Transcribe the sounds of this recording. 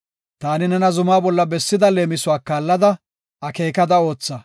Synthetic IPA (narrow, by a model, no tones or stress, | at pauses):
t̪aːnɪnɛnɐzʊmaːbɔlːɐbɛsːɪd̪ɐle̞ːmɪsʊwaːkːaːlːɐd̪ɐ | ɐkeːkɐd̪ɐo̞ːt͡sːɐ